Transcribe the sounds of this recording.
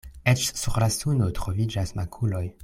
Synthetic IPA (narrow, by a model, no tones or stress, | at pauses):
et͡ʃsuɾlasundotɾovid͡ʒasmakʰulo̞j